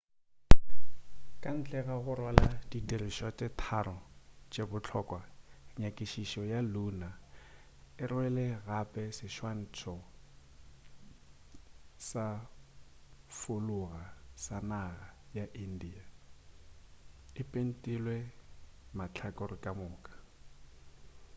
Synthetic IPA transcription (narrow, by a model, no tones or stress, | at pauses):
kʼan̩t͡ɬʼɛɣaɣʊrwaladidiriʃɔt͡ʃʼɪt̪ʰarɔt͡ʃʼebʊt͡ɬʰɔkʼwaɲakʼiʃiʃɔjaluna | ɪrʊɛlɛɣapʼɛsɪʃwan̩t͡ʃʰɔ | sa | fʊlʊɣasanaɣa | jaʔin̩diːa | ɪpʼen̩tʼilwe | mat͡ɬʰakʼʊrɪkʼamʊːkʼḁ